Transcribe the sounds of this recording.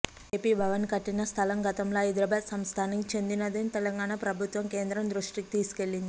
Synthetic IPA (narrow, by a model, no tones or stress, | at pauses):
eːpiːbʱɐʋɐnkɐʈːinɐst̪ʰɐlɐmɡɐt̪ɐmloːid̪ɾɐbaːd̪sɐmst̪ʰaːniŋt͡ʃe̞nd̪inɐd̪enit̪elɐŋɡaːɳapɾɐbʱut̪ʋɐmkeːnd̪ɾɐmd̪ɾuʂʈikit̪iːsu̥ke̞ɭːind̪i